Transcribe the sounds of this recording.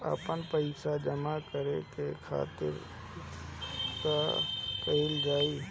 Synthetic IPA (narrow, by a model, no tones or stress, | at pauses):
ə̰pənpəɪsad͡ʒəmakəɾekekʰa̰ːt̪ɪ̰ɾ | kapəɪld͡ʒaːiː